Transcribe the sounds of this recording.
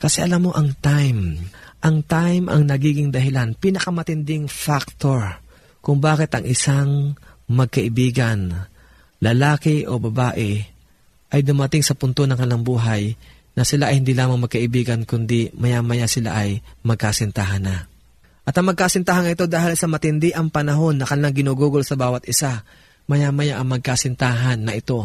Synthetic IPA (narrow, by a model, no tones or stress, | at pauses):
kɐsɛʔɐlamːo̞ʔɐŋt̪ajmʔɐŋt̪ajmʔɐ̰ŋnɐɡiːɡɪŋd̪ɐɦɪlanpiːnɐkɐmɐt̪ɪnd̪ɪŋfak̚t̪oɹ | kʊŋbaːkɪt̪ɐŋʔɪsaŋ | mɐɡ̚kɐʔɪbiːɡɐn | lɐlaːkɪʔo̞bɐbaːʔɛ | ʔɐjd̪ʊmɐt̪ɪŋsɐpʊnt̪o̞nɐŋkɐnlɐŋbuːɦɐj | nɐsɪlaʔɐjhɪnd̪iːlaːmɐŋmɐɡ̚kɐʔɪbiːɡɐnkʊnd̪imɐjamɐjasɪla̰ʔɐjmɐɡ̚kasɪnt̪aɦɐnːɐ | ʔɐt̪ɐŋmɐɡ̚kasɪnt̪aːɦannɐʔɪt̪o̞d̪aːhɪlsɐmɐt̪ɪnd̪ɪʔɐŋpɐnɐɦo̞nːɐkɐnɪlaŋɡɪnuːɡuːɡolsɐbaːwɐt̪ʔɪsa | mɐjamɐjaʔɐŋmɐɡ̚kasɪnt̪aːɦɐnːɐʔɪt̪o̞